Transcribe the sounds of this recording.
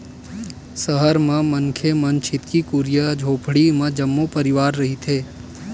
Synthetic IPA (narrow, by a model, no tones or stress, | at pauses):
səɦəɾmẽmɐŋkʰemɐnt͡ʃʰɪt̪kikuɾijəd͡ʒʱoːpʰɽimẽd͡ʒɐmːopɐɾɪʋaːɾːɐɦit̪ʰeː